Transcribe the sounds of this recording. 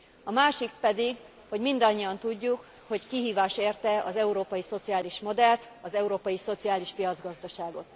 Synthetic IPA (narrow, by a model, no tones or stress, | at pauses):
ɒmaːʃik̚pɛd̪iɡ | ho̞ɟmind̪ɒɲːiɒnt̪uɟːuk | ho̞ckiɦiːvaːʃeːrt̪ɛɒzɛuɾoːpɒjiso̞t̪siaːliʃmo̞d̪ɛlt̪ | ɒzɛuɾoːpɒjiso̞t̪siaːliʃfijɒd̪zɡɒzd̪ɒʃaːɡo̞t̪